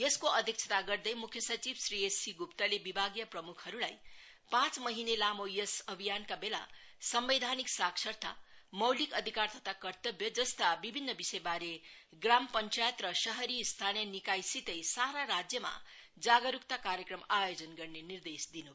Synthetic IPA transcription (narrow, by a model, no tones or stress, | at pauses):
jeskoʔʌd̪ʱjek̚t͡ʃʰʌ̥t̪aɡʌrd̪ʌjmukʰjʌsʌt͡sibsriesiɡupt̪alebibʱaɡjʌprʌmukʰhʌɾulaj | pãt͡smʌɦinelamojesʌbʱijankabela̰sʌmbed̪ʱaniksakʂʰʌrt̪ʰa̰mʌwlikʌd̪ʱikart̪ʌt̪ʰakʌrt̪ʌbjʌd͡zʌst̪abibʱinːʌbisʌjbaɾe | ɡrampʌnt͡sajət̪rʌsʌɦʌɾist̪ʰanjʌnikajsit̪ʌjsaɾaɾad͡zjʌma̰ | d͡zaɡʌɾukt̪akaɾjʌkrʌmajod͡zʌnɡʌrnenird̪esd̪inubʱ